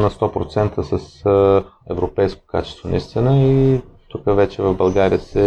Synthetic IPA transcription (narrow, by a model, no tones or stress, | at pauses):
nɐst̪ɔpɾo̰t̪sɛnt̪əsəs | ɛvɾopɛjsko̥kat͡ʃɛ̥st̪vonɐ̰ist̪inəit̪ukəvɛt͡ʃɛvɐvbɐlˠɡaɾijəsɛ